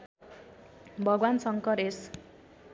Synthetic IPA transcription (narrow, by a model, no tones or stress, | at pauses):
bʱʌɡwansʌŋkʌɾes